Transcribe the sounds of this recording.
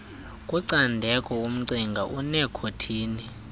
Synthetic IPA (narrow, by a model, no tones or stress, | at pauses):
kʼuǀandʱɛkʼɔum̩ǀiŋɡʱaʔunɛkʰotʰiːni